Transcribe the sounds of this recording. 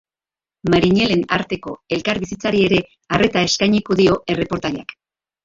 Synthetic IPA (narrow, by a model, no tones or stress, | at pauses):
maɾiɲe̞le̞naɾt̪e̞ko̞e̞lkaɾβisit͡saɾie̞ɾe̞ | arʔe̞t̪ae̞skajɲikoðio̞ʔe̞re̞po̞ɾt̪aʎak